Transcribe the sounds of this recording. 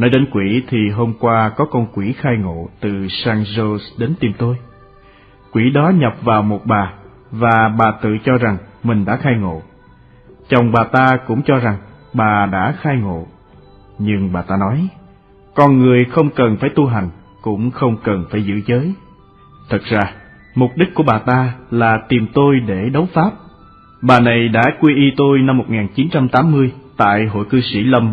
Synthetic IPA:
nəː˧jɗe˨˦nkwi˧˩t̪ʰi˨˩ɦo˧mkwaː˧kɔ˨˦kɔ˧nkwi˧˩xaː˧jŋo̰˧˨t̪ɨ˨˩saː˧ŋzo˧sɗe˨˦nt̪i˨˩mt̪o˧j | kwi˧˩ɗɔ˨˦ɲə˨˩p̚vaː˨˩wmo˨˩t̚ɓaː˨˩ | vaː˨˩ɓaː˨˩t̪ɨ̰˧˨t͡ɕɔ˧za˨˩ŋmï̟˨˩ɗa̰ː˧˥xaː˧jŋo̰˧˨ | t͡ɕa˨˩wŋ͡mɓaː˨˩t̪aː˧kʊ̰˧˥ŋ͡mt͡ɕɔ˧za˨˩ŋ | ɓaː˨˩ɗa̰ː˧˥xaː˧jŋo̰˧˨ | ɲɨ˧ŋɓaː˨˩t̪aː˧nɔ˨˦j | kɔ˧˩nŋɨ˨˩əjxə˧wŋ͡mkə˨˩nfaː˧˩jt̪u˧ɦa˨˩jŋ̟ | kʊ̰˧˥ŋ͡mxə˧wŋ͡mkə˨˩nfaː˧˩jzɨ̰˧˥zəː˨˦j | t̪ʰɨ˨˩t̚z̥aː˧ | mʊ˨˩k͡p̚ɗi˦˥k̚ku˧˩əɓaː˨˩t̪aː˧laː˨˩t̪i˨˩mt̪o˧jɗe˧˩ɗə˨˦wfaː˦˥p̚ | ɓaː˨˩na˨˩jɗa̰ː˧˥kwi˧ʔi˧t̪o˧jna˧mːo˨˩t̚ŋaː˨˩nt͡ɕi˨˦nt͡ɕa˧mt̪aː˨˦mːɨ˧əjt̪a̰ː˧˨jɦo̰˧˨jkɨ˧sḭ˧˩lə˧m

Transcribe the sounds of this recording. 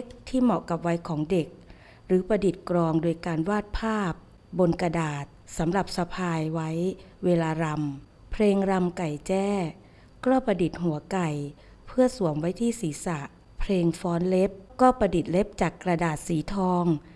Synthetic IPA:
kt̪ʰiː˥˩mɔ˨˩ʔka˨˩p̚wa˦˥jkʰɔː˩˦ŋde˨˩k̚ | ɾɯː˩˦pɾa˧di˨˩t̪̚kɾɔː˧ŋdoː˧jkaː˧nwaː˥˩t̪̚pʰaː˥˩p̚ | bo˧nka˧daː˨˩t̪̚sa˩˦mɾa˨˩p̚sa˧pʰaː˧jwa˦˥j | weː˧laː˧ɾa˧m | pʰleː˧ŋɾa˧mka˨˩jt͡ɕɛː˥˩ | klɔː˥˩pɾa˧di˨˩t̪̚ɦu˩˦ɐka˨˩j | pʰɯ˥˩ɐsu˨˩˦əmwa˦˥jt̪ʰiː˥˩siː˩˦sa˨˩ʔ | pʰleː˧ŋfɔː˦˥nle˦˥p̚kɔː˥˩pɾa˧di˨˩t̪̚le˦˥p̚t͡ɕaː˨˩kːɾa˧daː˨˩t̪̚siː˩˦t̪ʰɔː˧ŋ

